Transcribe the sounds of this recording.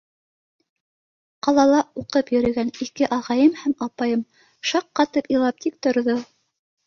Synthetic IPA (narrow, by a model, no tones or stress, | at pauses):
qɑlˠɑlˠɑuqɤpjɵ̆ɾɘ̆ɡænikɘʔɑʁɑjɤmhæmɑpɑjɤm | ʃɑqːɑt̪ɤpɤ̆lˠɑp̚t̪ʰik̚t̪ŏɾðo